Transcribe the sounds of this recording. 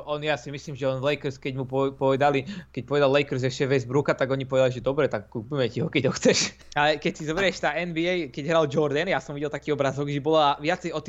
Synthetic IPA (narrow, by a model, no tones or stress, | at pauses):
ʔɔnjaːsimisliːmʒɛɔnlɛjkɾskɛɟmuppɔʋɛd̪alikɛc̚ʲpɔʋɛd̪allɛjkɾ̩zʒɛʃɛʋɛzbɾukat̪aɡɔɲipɔʋɛd̪aliʒɛd̪ɔbɾɛt̪akːuːpimɛciɦɔkɛɟɦɔxt͡sɛʃ | alɛkɛcsizɔbɾiɛʃt̪aʔɛnbiɛjkɛɟɦɾald͡ʒɔɾd̪ɛnjasɔmʋiɟɛlt̪akiːɔbɾazɔɡʒɛbɔlaʋɪat͡sɛjɔt̪ː